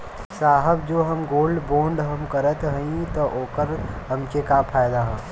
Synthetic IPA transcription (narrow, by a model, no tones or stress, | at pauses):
saːɦəbd͡ʒoːɦɐmɡoːlɖbõːɳɖɦɐmkɐɾət̪ɦɐ̃ĩt̪ɔʔoːkəɾɦɐmkekapʰaːjd̪aɦɛː